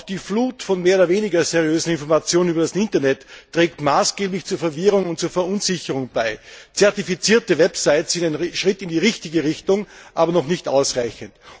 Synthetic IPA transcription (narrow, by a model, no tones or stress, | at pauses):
d̥iːfluːtfɔnmeːɐoːdɐveːnɪɡɐzɛʁijøːzn̩ɪnfɔɐmat͡sjoːnənyːbɐdasʔɪntɐnɛtːʁ̥ɛːk̚tmaːsɡ̥eːblɪçt͡suːɐfɛɐvɪʁʊŋʊnt̚t͡suːɐfɛɐʔʊnzɪçəʁʊŋbaɪt͡sɛɐtifit͡siːɐtəvɛpsaɪtssɪndaɪnʃʁ̥ɪtɪndiːʁɪçtɪɡəʁɪçtʊŋʔaːbɐnɔχnɪçtʔaʊsʁaɪçənt